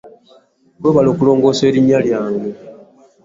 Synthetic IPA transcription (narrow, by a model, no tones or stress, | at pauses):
oβalo̞ːkulo̞ːŋɡo̞ːse̞ːɾiɲːaljaːŋɡe